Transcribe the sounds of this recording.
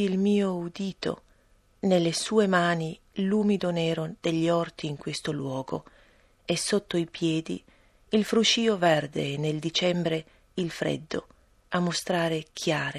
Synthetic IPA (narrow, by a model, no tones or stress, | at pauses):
ilmiːoud̪iːt̪o̰ | nelːesuːemaːni | luːmid̪onɛːɾod̪̥eʎːɔrt̪iːŋkwest̪olwɔːɡo̰ | esːot̪ːoipjɛːd̪ḭ | ilfɾut͡ʃiːovɛrd̪ḛneld̪it͡ʃɛmbɾe | ilfɾḛd̪ːo̰ | amːost̪ɾaːɾekʰjaːɾe